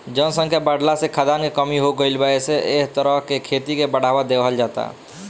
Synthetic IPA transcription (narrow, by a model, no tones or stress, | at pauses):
d͡ʒənsə̃ŋkebəɽlasekʰad̪ankekəmiɦoɡəɪlbəeseʔeɦt̪əɾəɦkekʰet̪ikebəɽ̤abad̪ebɦəld͡ʒat̪a̰